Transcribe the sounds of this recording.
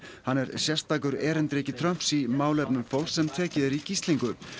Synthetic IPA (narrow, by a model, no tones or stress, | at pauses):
hanːɛɾsjɛrst̪aːk̬ʏɾɛːɾɪnt̪ɾeːcɪt̪ʰɾœm̥psimaːwlɛpnʏmfowlsɛmt̪ʰɛːcɪðɛɾicist̪liŋkʏ